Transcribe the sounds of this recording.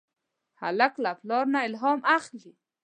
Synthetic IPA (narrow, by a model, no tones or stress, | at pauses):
ha̰laklaplɑɾnaɪlɦɑmʔaxli